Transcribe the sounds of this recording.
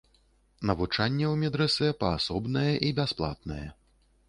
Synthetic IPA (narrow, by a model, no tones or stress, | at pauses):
nɐvut͡ʂanʲːɛwmʲɛd̪ɾɛsɛpɐasɔbnɐjɛʔibʲasplˠa̰t̪̚nɐjɛ̰